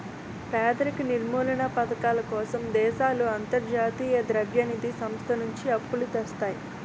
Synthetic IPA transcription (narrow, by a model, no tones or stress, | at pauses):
pɾaːd̪ɐɾikniɾmuːlɐnɐpɐt̪ɐkaːlɐkɔːsɐmd̪ɛːʃaːluɐnt̪ɐɾd͡ʒaːt̪iːjɐd̪ɾɐbjɐnid̪isɐmst̪ʰɐnuɲt͡ʃiɐpːulut̪ɛst̪aːji